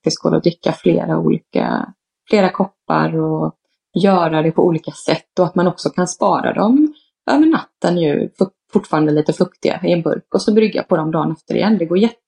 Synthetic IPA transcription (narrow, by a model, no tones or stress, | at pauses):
ɪskʰɔːlɔ̰d̪ɾɪkːaflḛːɾa̰ṵːliːka̰ | fleːɾakʰɔpːa̰ɾɔ | jœːɾad̪ɛpʰɔʔuːliːkasɛt̪ːɔat̪manɔksɔkʰanspɑːɾa̰d̪ɔm | ʔœːvəɳat̪ːənjʉ̟̰fɵ | fʊʈːfɑːɾand̪əliːt̪əfɵkt̪ɪɡa̰ɪɛnbɵ̰ɾkɔsɔbɾʏɡːja̰pʰɔd̪ɔmd̪ɑːnɛft̪əɾɪ̰jɛnːd̪ɛɡoːɾjɛt̪ː